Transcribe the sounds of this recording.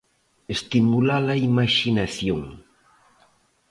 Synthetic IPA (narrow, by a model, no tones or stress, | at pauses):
est̪imulalɐimaʃinaθjoŋ